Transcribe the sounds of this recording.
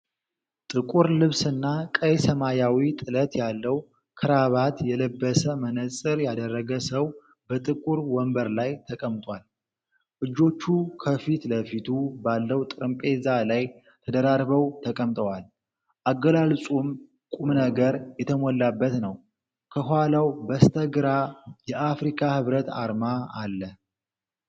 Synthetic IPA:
t̪ʼɨkʼuɾlɨβsɨnːakʼəjsəmajawit̪ʼɨlət̪jalːəw | kʰɨɾaβat̪jɛləbːəsəmənəsʼɨɾjad̪ərːəɡəsəw | bət̪ʼɨkʼuɾwɔmbəɾlajt̪ʰəkʼəmt̪ʼwal | ʔɨd͡ʒːo̞t͡ʃːukʰəfit̪ləfit̪ʰubalːəwt̪ʼɨɾɨmpʼe̞zalaj | t̪ʰəd̪əɾaɾβəwt̪ʰəkʼəmt̪ʼəwal | ʔaɡəlalsʼum | kʼumnəɡəɾjɛt̪ʰəmɔlːabːət̪nəw | kʰəɦʷalawbəst̪ʰəɡɨɾajɛʔafɾikʼʰahɨβɾət̪a̰ɾmaalːə

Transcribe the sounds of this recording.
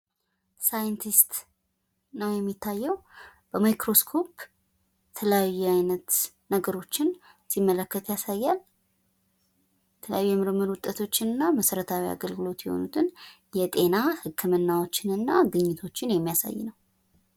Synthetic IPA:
sajɨnt̪ʰist̪ | nəwjɛmːit̪ːajːɛwb̥əmajkɾo̞skʰo̞p | ɛt̪ʰələjajːɛajnət̪ | nəɡəɾo̞t͡ʃːɪn | simːələkːət̪jasajːal | jjɛt̪ʰələjajːujɛmɨɾməɾuwʊt̪ʼːət̪ʰo̞t͡ʃːɪnɨnːaməsəɾət̪ʰawia̰ɡəlɡɨlo̞t̪jɛho̞̰nut̪ʰɨn | jɛt̪ʼe̞nahɨkʰːɨmɨnːawo̞t͡ʃːɪnɨnːaɡɨɲːɪt̪ʰo̞t͡ʃːɪnjɛmːijasa̰jːɪ̰nəw

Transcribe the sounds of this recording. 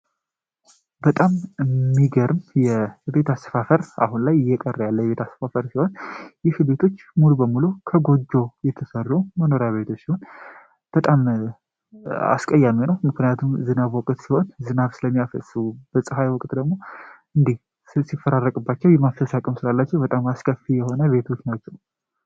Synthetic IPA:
bət̪ʼammːiɡəɾɨmjɛbe̞t̪ʰasfafəɾʔa̰hunlajɪjːɛkʼərːjalːəjɛβe̞t̪ʰasəfafəɾsiho̞njɪhbe̞t̪ʰo̞t͡ʃːmulubəmːulukʰəɡo̞d͡ʒːo̞jɛt̪ʰəsərːuməno̞ɾjaβe̞t̪ʰo̞t͡ʃːsiho̞n | b̥ət̪ʼam | a̰skʼəjːaminəwmɨknijat̪ʰumzɨnaβwɔkʼt̪siho̞nzɨnaβsɨləmːijafə̰sɨub̥əsʼɨhajwɔkʼt̪d̪əɡmo̞ | ɨnd̪ih | sɨsifːəɾarːəkʼɨbːat͡ʃːɛwjɛmaft̪ʰəsakʼəmsɨɾalːat͡ʃːɛwbət̪ʼamaskʰəfijɛho̞nəβe̞t̪ʰo̞t͡ʃːnat͡ʃːɛw

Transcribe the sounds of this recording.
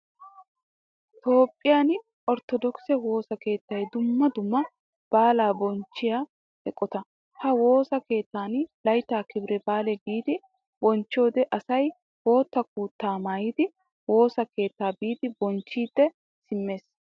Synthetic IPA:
t̪o̞ːpʼːɪjaːn | ʔɔɾt̪ɔd̪ɔksɛwo̞ːsɐke̞ːt̪ːɐjd̪ʊmːɐd̪ʊmːɐ | b̥aːlaːbɔnt͡ʃːɪjaː | bɛkʼːɔt̪ɐ | hɐwo̞ːsɐke̞ːt̪ːaːnlɐjt̪ːaːkɪbɾɛbaːlɛɡiːd̪ɪ | bɔnt͡ʃːo̞ːd̪ɛʔɐsɐj | wo̞ːt̪ːɐk̚uːt̪ːaːmaːjɪd̪ɪ | wo̞ːsɐke̞ːt̪ːaːbiːd̪ɪbɔnt͡ʃːiːd̪ːɛ | sɪmːe̞ːs

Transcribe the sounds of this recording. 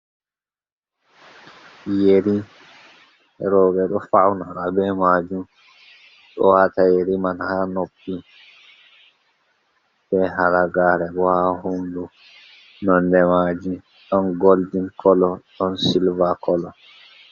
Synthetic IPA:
jeɾi | ɾɔːɓɛɗɔfawnaɾabɛmad͡ʒum | ɗɔ̰watajeɾimanhanopːi | bɛɦaɾaɡaːɾɛbɔhahumdu | nɔndɛmad͡ʒi | ɗɔnɡoldinkʰɔlɔɗɔnsilvakɔlɔ

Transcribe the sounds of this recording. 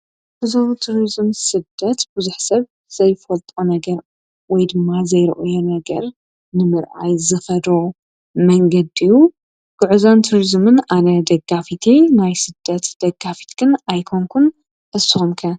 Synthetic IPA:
ʕuzowt̪ʰuɾizɨmsɨd̪ːɐt̪buzuħsɐβ | z̥ɐjfɐlt̪ʼonɐɡɐɾ | wɔjd̪ɨmːazɐjɾɨ̰ʔujonɐɡɐ̰ɾ | nɨmɨɾʔa̰jzɨxɐd̪o | mɐŋɡɐd̪ijːu | ɡ̥ɨʕuzant̪ʰuɾizmɨnʔanɐd̪ɐɡːafit̪ʰinajsɨd̪̥ːɐt̪d̪̥ɐɡːafi̥t̪ɡ̥ɨnajkʰoŋkʰun | ʔɨsːɨxumkʰɐ

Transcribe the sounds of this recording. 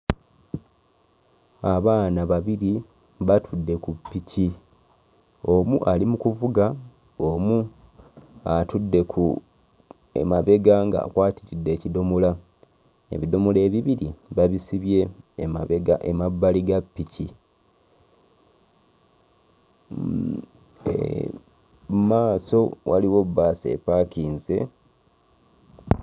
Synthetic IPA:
aβaːnaβaβiɾi | βatʰudːe̞kupːici | o̞muʔalimukuvuɡa | omu | atudːe̞kʰu | ḛmaβe̞ɡaŋɡa̰ːkwaːtiɾidːe̞ːcido̞mola | ḛβido̞mole̞ːβiβiɾiβaβisiβje̞eɡaʔemabːaliɡapːici | ḛ | maːso̞wʔaliwo̞bːase̞̰paːkiːnze̞̰

